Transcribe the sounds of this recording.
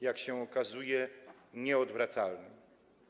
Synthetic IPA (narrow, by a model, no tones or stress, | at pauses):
jakɕɛɔkazujɛɲɛɔd̪vɾat̪salnɘm